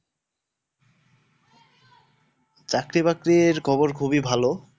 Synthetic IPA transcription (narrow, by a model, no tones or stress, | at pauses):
t͡ɕakɾibakɾiɾkʰɔboɾkʰubibʱalo